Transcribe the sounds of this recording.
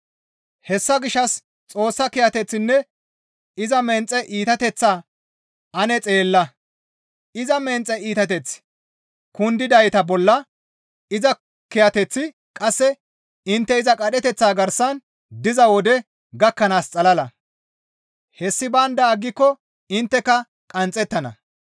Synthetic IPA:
hɛsːɐɡɪʃːɐs | t͡sʼo̞ːsːɐkɪjɐt̪ɛt͡sːɪnːɛ | ɪzɐmɛnt͡sʼːɛʔiːt̪ɐt̪ɛt͡sːaː | ʔɐnɛt͡sʼe̞ːlːɐ | ɪzɐmɛnt͡sʼɛiːt̪ɐt̪ɛt͡s | kʊnd̪ɪd̪ɐjt̪ɐbɔlːɐ | ɪzɐ | kɛjɐt̪ɛt͡sːɪ | kʼɐsːɛ | ɪnt̪ːɛɪzɐkʼɐɗɛt̪ɛt͡sːaːɡɐɾsɐn | d̪ɪzɐwɔd̪ɛ | ɡɐkːɐnaːst͡sʼɐlɐlɐ | hɛsːɪbɐnd̪ɐːɡːɪkːɔ | ɪnt̪ːɛkɐ | kʼɐnt͡sʼːɛt̪ːɐnɐ̰

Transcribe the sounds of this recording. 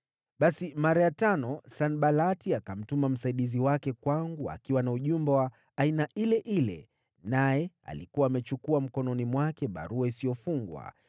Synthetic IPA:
ɓasimaɾajatanɔsanɓalatiakam̩tumam̩saiɗiziwakɛkwaŋɡua̰kiwanauʄumbɛwaː | inaʔilɛʔilɛ̰ | najɛ | a̰likuwaːmɛt͡ʃukuam̩kɔnɔnimwakɛɓa̰ɾuaisijɔfuŋɡwa̰

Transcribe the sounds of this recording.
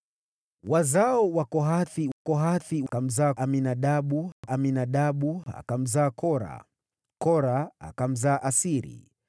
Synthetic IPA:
wazaɔwakɔɦaθiwakɔɦaθiwkam̩zaːʔaminaɗaɓuʔaminaɗaɓua̰kam̩zaːkɔɾa̰ | kɔɾaa̰kam̩zaːʔasiɾḭ

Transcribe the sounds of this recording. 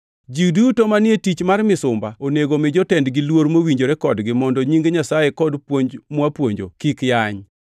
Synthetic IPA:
d͡ʒidutomanɪetit͡ʃmarmɪsʊmbaoneɡomɪd͡ʒɔtɛndɡɪlwoɾmowiɲd͡ʒoɾekɔdɡɪmɔndɔɲiŋɡeɲasajekɔdpwoɲd͡ʒmwapwoɲd͡ʒo̰kikjaɲ

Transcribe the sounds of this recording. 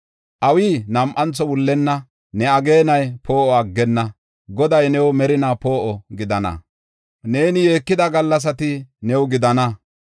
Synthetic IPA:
ʔɐwiːnɐmʔɐnt͡sːɔwʊlːɛnːɐ | nɛɐɡe̞ːnɐjpʰo̞ːʔɔɐɡːɛnːɐ | ɡɔd̪ɐjnɛwmɛɾɪnaːpo̞ːʔɔɡɪd̪ɐnɐ̰ | ne̞ːnɪje̞ːkːɪd̪ɐɡɐlːɐs̬ɐt̪ɪnɛwɡɪd̪ɐnɐ

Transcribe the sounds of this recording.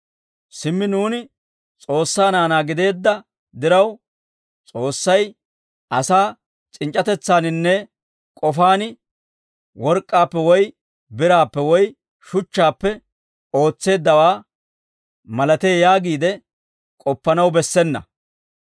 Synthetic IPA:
sɪmːɪnuːnɪ | t͡sʼo̞ːsːaːnaːnaːɡɪd̪e̞ːd̪ːɐ | d̪ɪɾɐw | t͡sʼo̞ːsːɐj | ʔɐsaː | t͡ʃʼɪnt͡ʃʼːɐt̪ɛt͡sːaːnɪnːɛ | kʼɔfaːnɪ | wɔɾkʼːaːpːɛwɔj | bɪɾaːpːɛwɔj | ʃʊt͡ʃːaːpːɛ | o̞ːt͡sːe̞ːd̪ːɐwaː | mɐlɐt̪eːjaːɡiːd̪ɛ | kʼɔpːɐnɐwbɛsːɛnːɐ̰

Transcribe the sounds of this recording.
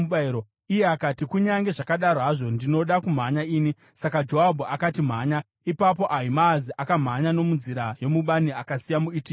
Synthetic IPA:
ɓiɾo | ijeakatikuɲaŋɡe̞ʐakaɗaɾoɦaʐo̞ndino̞ɗakum̤aɲaiːni | sakad͡ʒo̞abʱuakatim̤aːɲa | ipap̬o̞ʔaimaziʔakam̤aɲano̞munziɾajo̞muɓaniakasijamuiːti

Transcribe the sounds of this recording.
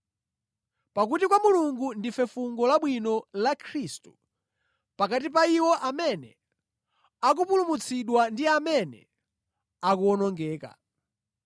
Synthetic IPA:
pak̬utikwamuluŋɡundifɛfuŋɡɔlaɓwinɔlakʰɾistu̥ | pakatipaiwɔʔamɛnɛ̰ | ak̬upulumut͡sʰiɗwandiamɛnɛ̰ | akuɔnɔŋɡɛːka̰

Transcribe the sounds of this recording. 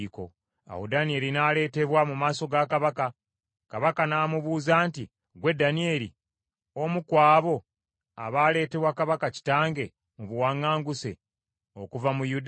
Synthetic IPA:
ko̞̰ | a̰wodanie̞ːɾinale̞ːte̞βwamumaːso̞ɡakaβaka | kaβakanaːmuβuːzaːnti | ɡwe̞dːanie̞ɾi | o̞mukwaːβo̞ | a̰βaːle̞ːte̞βwakaβakaci̥taːŋɡe̞ | muβuwaːŋːaːŋɡuse̞̰ | o̞kuvamujud

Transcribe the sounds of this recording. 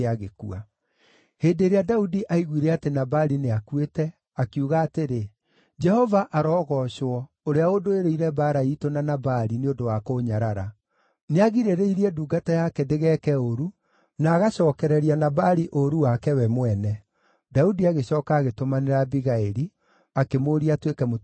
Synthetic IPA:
aɣekua | heːdeːɾeadaudiʔaiɣwiɾɛatenabaɾineakwetɛ | akiuɣaːteɾe | d͡ʒɛhɔvaʔaɾɔɣɔɕwɔ | oɾeaodoeɾeiɾɛbaːɾaitonanabaɾineondowakoːɲaɾaɾa | neaɣiɾeɾeiɾiɛduːɡatajakɛdeɣɛːkɛoɾu | naːɣaɕɔːkɛɾɛɾianabaɾiʔoɾuwakɛwɛmwɛnɛ | daudiaɣeɕɔːkaːɣetomaneɾabiɣaeɾi | akemoɾiatwekɛmo

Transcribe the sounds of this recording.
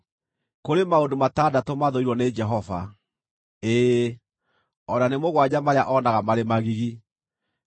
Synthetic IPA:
koɾemaodomatadatomaðoiɾwɔned͡ʒɛɦɔva̰ | eː | ɔnanemoɣwad͡ʑamaɾeaʔɔnaɣamaɾemaɣiɣi

